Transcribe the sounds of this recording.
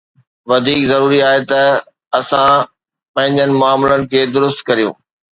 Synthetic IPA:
ʋɐd̪ʱiːkzɐɾuːɾiaːɦet̪ɐ | ɐsã | pɐ̃ɦɪ̃ɲd͡ʑənɪ̆mʊaːmlənɪ̆kʰeːd̪ʊɾʊst̪kɐɾijṵ̃ː

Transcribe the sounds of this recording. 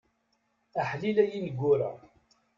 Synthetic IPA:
aħlilæjinəɡʷːʊɾa̰

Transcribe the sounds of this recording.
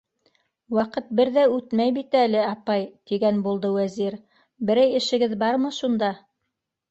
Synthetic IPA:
wɑqɤt̪̚bɘɾðæʉt̪mæjbit̪ælɘɑpɑjt̪iɡænbulˠd̪ɤwæziɾ | bɘ̆ɾæjɘ̆ʃɘ̆ɡɘðbɑɾmɤʃund̪ɑ

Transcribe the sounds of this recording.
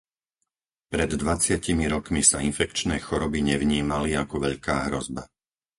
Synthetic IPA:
pɾɛd̪ːʋat͡sɪacimiɾɔkmisainfɛkt͡ʃnɛːxɔɾɔbiɲɛʋɲiːmaliakɔʋɛʎkaːɦɾɔzba

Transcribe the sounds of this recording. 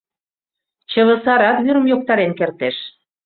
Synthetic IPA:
t͡ɕə̆βə̆sɑɾɑt̪βyɾə̆mjok̚t̪ɑɾenkert̪eʃ

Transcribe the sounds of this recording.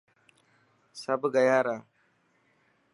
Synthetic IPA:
sɐbɡɐjaːɾaː

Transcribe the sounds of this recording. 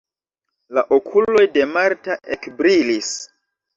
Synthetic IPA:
laʔokʰulo̞jde̞maɾtaʔekbɾilis

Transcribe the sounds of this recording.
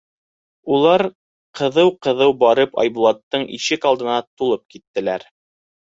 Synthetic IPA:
ulˠɑɾ | qʰɤ̆ðɤwqɤ̆ðɤwbɑɾɤpɑ̰jbulˠɑt̪ːɤɴḭʃɘkɑlˠd̪ɤ̆nɑt̪ulˠɤp̚kit̪ːɘ̆læɾ

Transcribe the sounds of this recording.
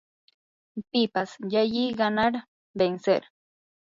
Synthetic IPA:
pɪpasjajiɢanaɾ | bensḛɾ

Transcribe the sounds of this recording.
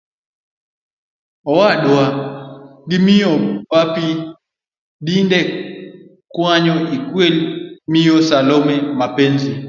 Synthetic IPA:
ɔwaɗwa | dimijɔpapi | dindɛ | kwaɲɔikwelmijɔsalɔmɛmapenzi

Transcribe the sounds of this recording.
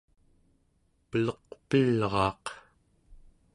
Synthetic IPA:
pəlʌqpilʁɑːq

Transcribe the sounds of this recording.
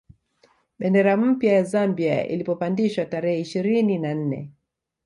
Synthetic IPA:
ɓɛndɛɾam̩pjajazambia̰ḭlipɔpandiʃwataɾɛhɛiʃiɾininan̩nɛ̰

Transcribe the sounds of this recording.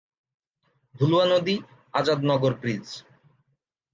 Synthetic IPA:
d̪ʱuluanod̪i | ad͡ʑad̪nɔɡoɾpɾid͡ʑ

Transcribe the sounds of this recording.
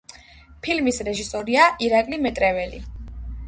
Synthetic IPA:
pʰilmisɾɛʒisɔɾiaʔiɾakʼlimɛt̪ʼɾɛvɛlḭ

